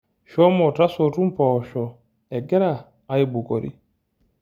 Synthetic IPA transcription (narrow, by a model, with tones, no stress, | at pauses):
ʃɔ˦mɔ˨ta˦so˨tu˦mpɔ˨ʃɔ˨ | ɛ˨ɡɛ˦ɾa˨ | a˦jbu˨ko˨ɾḭ˦